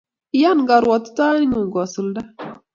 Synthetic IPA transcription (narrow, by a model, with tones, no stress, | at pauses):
i˦ja˦nɡa˨ɾwɔ˨tta˦i˦nu˨ɡɔ˨su˨lda˦